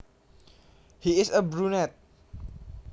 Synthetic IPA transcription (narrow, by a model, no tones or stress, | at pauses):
hiɪsəbɹunɛt̪̚